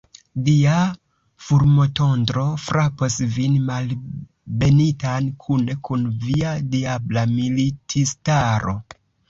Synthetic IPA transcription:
dia | fuɾmoto̞ndɾo̞fɾʔaposvinmal | be̞nitankʰune̞kʰunviadiablamilitʰistaɾo̞̰

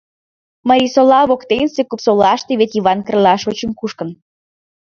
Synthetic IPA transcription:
məɾʲisolɑβokt̪ensekupsolɑʃt̪eβet̪iβɑnkərlɑʃot͡ɕəmkuʃkə̆n

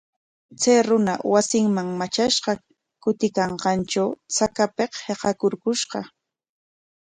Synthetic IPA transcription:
t͡sajɾʊna̰wasɪŋmaŋmat͡ʃaʃɢɑ | kʊt̪ɪkɑɴɢɑnt͡ʃawt͡sakapeqheqɑkʊɾkʊʃɢɑ

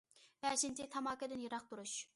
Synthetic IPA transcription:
b̥ɛːʃɪnt͡ʃ̪ɪt̪ʰɑmɑːkɛd̪ɪnjeɾɑq̚t̪uɾuʃ

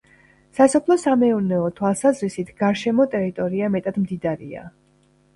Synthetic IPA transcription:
sasɔpʰlˠɔsamɛunɛɔt̪ʰwalˠsazɾisit̪ʰɡ̥aɾʃɛmɔt̪ʼɛɾit̪ʼɔɾiamɛt̪ʼad̪md̪id̪aɾḭa̰

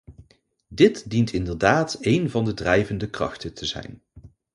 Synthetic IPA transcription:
dɪtdintʰɪndəɹdaːtejnvɑndədrɛjvəndəkrɑ̰χtətʰəzɛ̰jn

